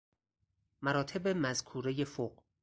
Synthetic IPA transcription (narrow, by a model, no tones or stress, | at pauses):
mæɾɒːt̪ʰebemæzkʰuːɾe̞jefoɢ